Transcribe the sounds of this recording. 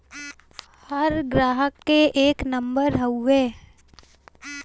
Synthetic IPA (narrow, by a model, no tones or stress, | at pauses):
həɾɡɾaːɦəkːeʔeːknə̃mbəɾɦəueː